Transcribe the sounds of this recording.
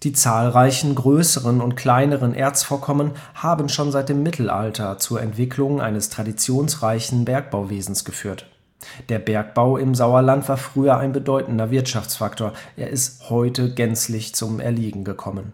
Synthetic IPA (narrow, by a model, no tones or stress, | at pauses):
d̥iːt͡saːlʁaɪçn̩ɡʁøːsəʁənʊntkʰl̥aɪnəʁənʔeːɐt͡sfoːɐkʰɔmən | haːbən̩ʃoːnzaɪt̚d̥eːmːɪtʰl̩ʔa̰ltʰɐt͡suːɐʔɛntv̥ɪkʰlʊŋʔa̰ɪnəstʁ̥adit͡sjoːnsʁaɪçn̩bɛɐk̚b̥aʊveːzn̩sɡ̥əfyːɐt | d̥eːɐbɛɐk̚b̥aʊɪmzaʊɐlantv̥aːɐfʁ̥yːɐʔa̰ɪnbədɔʏtn̩dɐvɪɐtʃaft͡sfaktoːɐʔḛːɐʔɪsthɔʏtəɡɛnt͡slɪçt͡sʊmʔɛ̰ɐliːɡŋ̩ɡəkʰɔmən